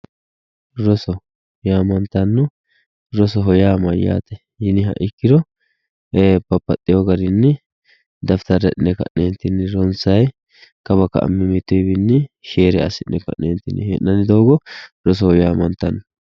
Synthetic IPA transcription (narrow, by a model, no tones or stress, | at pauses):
ɾɔsɔ | jaːmɐnt̪ɐnːɔ | ɾɔsɔɦɔjaːmɐjːa̰ːt̪ɛ | jɪnɪɦɐ̰ʔɪkːɪd̪ɔ | pɐpːɐt̪ʼːɪjɔɡɐɾɪnːɪ | d̪ɐft̪ɐɾɛʔɪnːɛkɐ̰ʔeːnt̪ːɪnɪɾɔnsɐj | kɐbɐkɐ̰ʔɐ̰mːɪmɪt̪ːɔjbɪnːɪʃeːɾɛɐ̰sɪnːʔɛkɐ̰ʔneːnt̪ːɪnɪhḛnːɐnɪd̪oːɡɔɾɔs̬ɔɔjaːmɐnt̪ːɐnːɔ